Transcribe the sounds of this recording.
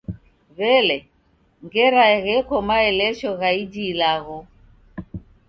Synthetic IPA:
βɛlɛ | ŋɡɛɾaɛɣɛkɔmaɛlɛʃɔɣaid͡ʒilaɣɔ

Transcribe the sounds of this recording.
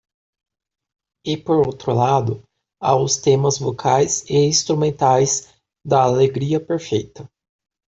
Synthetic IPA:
ɪpoɾowt̪ɾʊlad̪ʊ | aʊst̪ẽmɐzvokʰajzɪĩst̪ɾumẽnt̪ajz | d̪ɐːleɡɾiɐpeɾfejt̪ɐ

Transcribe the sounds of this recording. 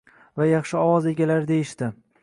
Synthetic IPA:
vajɑχʃɪɒwɒze̞ɡʲalaɾd̪e̞jɪʃt̪ɪ

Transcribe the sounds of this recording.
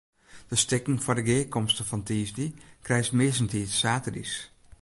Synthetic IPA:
d̥əstɪkŋ̩fʊdəɡeːkɔmstəfɔntʰiːzdikrɛjstmɪəs̬ntʰiːtsaːtədḭs

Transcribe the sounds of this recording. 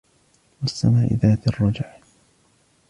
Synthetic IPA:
wɪsːamaːʔɪ̰ðaːt̪ɑrˤːɑd͡ʒaʕ

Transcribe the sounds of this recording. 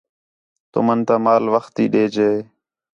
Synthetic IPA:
t̪o̰mənt̪aːmaːlʋəxt̪ḭːɗeːd͡ʒeː

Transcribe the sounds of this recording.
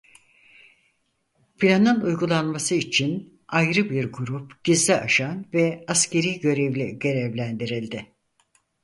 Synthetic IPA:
pʰilʲand̪anujɡulˠanmasɯit͡ʃʰin | ajɾɯbiɾɡuɾupɟ̥izlʲɛaʃanvɛasce̞ɾijɟø̞ɾevlʲḭɟø̞ɾɛvlʲænd̪iɾilʲd̪ɪ

